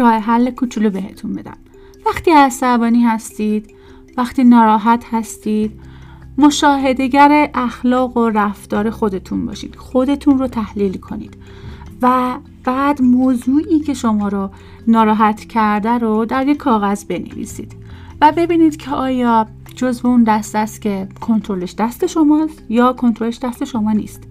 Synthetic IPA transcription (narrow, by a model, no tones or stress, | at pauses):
ɾɒːheɦælːekʰut͡ʃʰulobe̞ɦe̞t̪ʰunbe̞d̪æ̰m | væχt̪iːæsæbɒːniːhæst̪iːd̪̥ | væxt̪iːnɒːɾɒːɦæt̪ʰhæst̪iːd̪̥ | mo̞ʃɒːɦe̞d̪e̞ɟæɾe̞ʔæxlɒːɣoræft̪ɒːɾe̞xo̞d̪e̞t̪ʰunbɒ̰ːʃḭːd̪̥xo̞d̪e̞t̪ʰunrot̪ʰæhliːlkʰo̞nḭːd̪̥ | væ | b̥æːd̪moːzuːʔiːcʰe̞ʃo̞mɒːɾo | nɒːɾɒːɦæt̪ʰcʰæɾd̪æɾod̪æɾjekʰːɒːɣæzbe̞nḛvḭsḭːd̪̥væbe̞biːniːd̪̥cʰeʔɒːjɒː | d͡ʒo̞zbe̞und̪æst̪æst̪cʰe̞kʰo̞nt̪ʰɾoleʃd̪æst̪e̞ʃo̞mɒːst̪jɒːkʰo̞nt̪ʰɾo̞leʃd̪æst̪e̞ʃo̞mɒːnḭːst̪